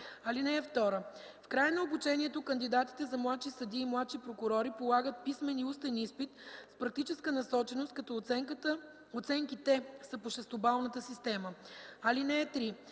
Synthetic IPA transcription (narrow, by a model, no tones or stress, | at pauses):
ɐlinɛɛft̪ɔɾə | fkɾajənɐobut͡ʃɛniɛt̪okənd̪id̪at̪i̥t̪ɛzɐmlˠat̪ʃisɐd̪iːmlˠat̪ʃipɾokʊɾɔɾipolˠaɡət̪̚pismɛniust̪ɐnispit̪spɾɐk̚t̪it͡ʃɛskənɐsɔt͡ʃɛnost̪̚kɐt̪ɔɛkt̪ə | ot̪sɛŋkit̪ɛsɐpoʃɛst̪obalˠnət̪əsist̪ɛməɐlinɛɛt̪ɾi